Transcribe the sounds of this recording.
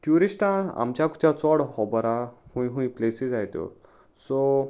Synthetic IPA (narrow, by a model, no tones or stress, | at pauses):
ʈjuɾisʈãa̰mt͡ɕjaku̥t͡ɕat͡sɔɽhɔbəɾahũjɦũĩplesid͡zajt̪o̰ | so